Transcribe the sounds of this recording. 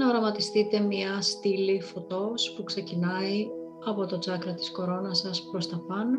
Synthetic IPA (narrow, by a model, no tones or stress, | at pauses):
ɐoɾɐmɐt̪ist̪it̪e̞mɲɐst̪ilifo̞t̪o̞spukse̞cinɐi | ɐpo̞t̪o̞t͡sɐkɾɐt̪i̥sko̞ɾo̞nɐsɐspɾo̞st̪ɐpɐno